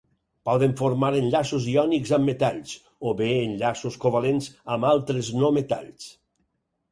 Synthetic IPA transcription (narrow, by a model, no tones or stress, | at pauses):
pɔðeɱfoɾmaɾenʎasoziɔnikzamːet̪aʎs | oβeːnʎasoskoβalenzamalˠt̪ɾeznɔmet̪a̰ʎs